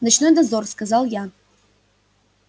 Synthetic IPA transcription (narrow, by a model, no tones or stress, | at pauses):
nɨt͡ʃnojd̪azorskazalˠja